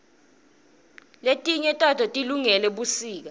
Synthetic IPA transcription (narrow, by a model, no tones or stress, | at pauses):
letʼiɲɛtʼatʰʼɔtʼiluŋɛlɛɓusiːk̬a